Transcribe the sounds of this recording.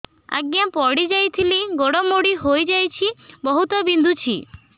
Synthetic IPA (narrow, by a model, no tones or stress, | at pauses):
a̰ɡjapɔɽid͡ʒajt̪ʰiliɡoɽɔmoɽiɦojd͡ʒajt͡ʃʰibɔɦut̪ɔbind̪ʱut͡ʃʰḭ